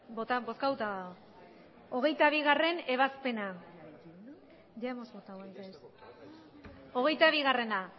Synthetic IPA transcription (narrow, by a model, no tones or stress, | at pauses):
bot̪abo̞skawt̪a | o̞ɣ̞e̞jt̪aβ̞iɣare̞ne̞βaspe̞na | ʝaemozβo̞t̪awansas | o̞ɣ̞e̞jt̪aβiɣ̞are̞na